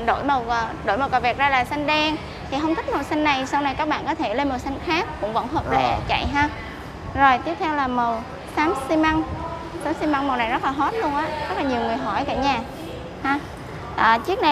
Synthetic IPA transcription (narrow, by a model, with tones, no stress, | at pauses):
ɗo̰˧˥˩jmə˨˩wɗo̰˧˥jmə˨˩wkaː˨˩vi˨˩k̚zaː˧laː˨˩sa˧ŋɗɛ˧n | t̪ʰi˨˩ɦə˧wŋ͡mt̪ʰi˦˥k̚mə˨˩wsa˧jŋ̟na˨˩jsa˧wna˨˩jkaː˦˥k̚ɓa̰ː˧˨nkɔ˨˦t̪ʰe˧˩le˧nmo˨˩wsa˧ŋ̟xaː˦˥k̚ːʊ̰˧˥ŋ͡mvə̰˧˥nɦəː˨˩p̚lḛ˧˩˦t͡ɕa̰˧˨jɦaː˧ | zo˨˩jt̪i˦˥əp̚t̪ʰɛ˧wlaː˨˩mə˨˩w | saː˨˦msi˧ma˧ŋ | saː˨˦msi˧ma˧ŋmə˨˩wna˨˩jzə˦˥laː˨˩ɦo˦˥t̚lu˧ənʔaː˨˦˥zə˦˥t̚laː˨˩ɲi˨˩əwŋɨ˨˩əjɦɔ˧˩jka̰˧˥ɲaː˨˩ | haː˧ | ʔəː˨˩t͡ɕi˦˥ək̚na˨˩